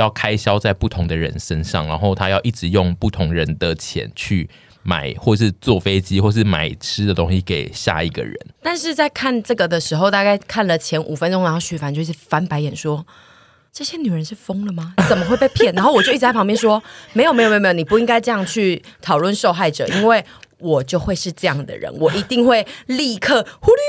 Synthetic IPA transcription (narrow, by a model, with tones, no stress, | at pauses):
jɑ˥˩ʊkʰa˦ɪɕjɑ˥ʊt͡sa˥˧ɪpu˥˩t̪ʰʊ˧˦ŋd̪ə˨ɻə̰˧˦nʂə˦nʂɑ̰˥˨ŋɻa˧˦nxo˥˩ʊt̪ʰa˦jɑ˥˧ʊʔi˥˩ʈ͡ʂɻ̩˧˩jʊ˥˨ŋpu˥˩t̪ʰʊ˧˥ŋɻə˧˦nd̪ə˨t͡ɕʰjɛ̰˧˦nt͡ɕʰy˥˩ | ma̰˨˩ɪxwɔ˥˩əʂ̬ɻ̩˥˧t͡swɔ˥˨fe˥ɪt͡ɕi˦˥xwɔ˥˧ʂ̬̩˥˩ma̰˨˩ɪʈ͡ʂʰɻ̩˦d̪ə˨t̪o˥ŋɕi˧˥ke˨˩ɪɕja̰˥˩i˨˩ɡə̰˨˩ɻə̰˧˦nt̪a˥˧nʂɻ̩˥˧t͡sa˥˧ɪkʰa˥˧nʈ͡ʂɤ˥˩ɡə˩d̪ə˩ʂɻ̩˧˥xo˧ʊt̪a˥˧ka˥˩ɪkʰa˥˩nlə˨t͡ɕʰjɛ˧˥nʔu˨˩fə˧˦nʈ͡ʂʊ˥ŋɻa˧˥nxo˥˩ɕy˥˩fa˧˥nt͡ɕjo˥˧˦i˥˩˨fa˧˥npa˧˥ɪjɛ˨˩nʂwɔ˥ | ʈ͡ʂɤ˥˩ɕjɛ˦ny˨˩ɻə˧˦nʂɻ̩˥˩fɤ˥ŋlə˨mɐ˨˩t͡sə˨˩nmə˦xwpe˥˧ɪpʰjɛ˥˩na˧nxo˥˩wɔ˨˩t͡ɕjo˥˧i˥˩˨ɑ˧˦mjɛ˥˨nʂ̬wɔ˥m˧ɪjo˨˩m˧˥jo˨˧˥ni˨˩p̬u˧i˦˥ŋka˥ɪʈ͡ʂɤ˥˧jɑ˥˧ŋt͡ɕʰy˥˩t̪ʰɑ˨˩ʊlwə˥˨nʂo˥˧ʊxa˥˩ɪʈ͡ʂɤ̰˨˩i˥nwe˥˩ɪwɔ˨˩t͡ɕjo˥˧ʊxwe˥˧ɪʂɻ̩˥˧ʈ͡ʂɤ˥˧jɑ˥˨˩ŋd̪ə̰˨ɻə̰˧˦nwɔ˨˩ʔi˧˥t̪i˥˧ŋxwe˥˩ɪli˥˧kʰɤ˥˩xu˥ly˥˧